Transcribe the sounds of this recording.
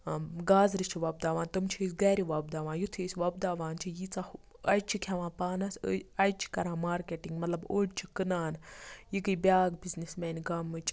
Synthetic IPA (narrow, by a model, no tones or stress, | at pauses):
ɡaːzɾit͡ʃʰiʋɐb̚d̪aːʋaːnt̪ɨmt͡ʃʰisɡɛːɾiʋɐb̚d̪aːʋãːnjut̪ʰiːsʲʋɐb̚d̪aːʋaːnt͡ʃʰijit͡sɐ | ɐjt͡ʃʰikʲʰɐʋãːpaːnɐsʲəɐjt͡ʃʰi̥kɐɾãːmaːɾkeːʈiŋɡmɐt̪lɐboːɖʲt͡ʃʰi̥kɨnaːnjikɨbʲaːɡbiznismɛːnʲɡɐmɨt͡ʃʰ